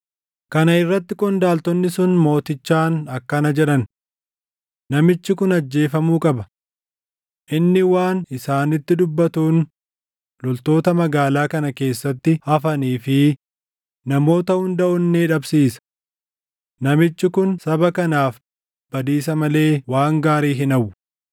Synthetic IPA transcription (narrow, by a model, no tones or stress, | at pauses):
kɐnɐɪrːɐt̪ːɪkʼɔnd̪aːlt̪ɔnːɪsʊnmo̞ːt̪ɪt͡ʃːaːnɐkːɐnɐd͡ʒɛᶑɐn | nɐmɪt͡ʃːɪkʊnɐd͡ʒːe̞ːfɐmuːkʼɐbɐ | ʔɪnːɪwaːnɪsaːnɪt̪ːɪd̪ʊbːɐt̪uːn | lɔlt̪o̞ːt̪ɐmɐɡaːlaːkɐnɐke̞ːsːɐt̪ːɪhɐfɐniːfɪ | nɐmo̞ːt̪ɐhʊnd̪ɐʔʊnːeːᶑɐbsiːsɐ̥ | nɐmɪt͡ʃːɪkʊnsɐbɐkɐnaːf | b̥ɐd̪iːsɐmɐle̞ːwaːŋɡaːɾiːɦɪnɐwʊ